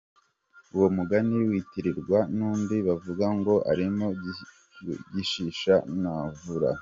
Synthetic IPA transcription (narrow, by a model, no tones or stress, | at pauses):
uwomuɡaniwiːtiɾiɾɡwanuːmbiβavuɡaŋɡo̞ʔa̰ɾimo | ɟiʃiʃanavuɾa̰